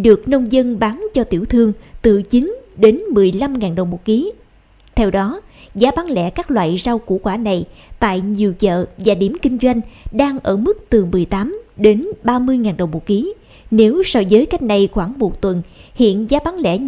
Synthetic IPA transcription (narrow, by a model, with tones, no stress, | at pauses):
ɗɨ˨˩ək̚nə˧wŋ͡mzə˧nɓaː˨˦nt͡ɕɔ˧t̪ḭ˧˩əwt̪ʰɨ˧əŋt̪ɨ˨˩t͡ɕï˨˦ŋ̟ɗe˨˦nmɨ˨˩əjla˧mŋaː˨˩nɗə˨˩wŋ͡mmo˨˩ki˨˦ | t̪ʰɛ˧wɗɔ˨˦ | zaː˨˦ɓaː˨˦ŋlɛ̰˧˥kaː˦˥k̚lwa̰ː˧˨jza˧wkṵ˧˥kwaː˧˩na˨˩jt̪a̰ː˧˨jɲi˨˩əwt͡ɕə̰ː˧˨vaː˨˩ɗi˧˩əmkï˧ŋ̟zwa˧jŋ̟ɗaː˧ŋʔəː˧˩mɨ˦˥k̚t̪ɨ˨˩mɨ˨˩əjt̪aː˨˦mɗe˨˦nɓaː˧mɨ˧əjŋaː˨˩nɗə˨˩wŋ͡mmo˨˩ki˨˦ | ne˨˦wsa˧wzəː˨˦jka˦˥jk̟̚na˨˧˩jxwaː˧˩ŋmo˨˩t̚t̪wə˨˩nhḭ˧˨ənzaː˨˦ɓaː˨˦ŋlɛ̰˧˥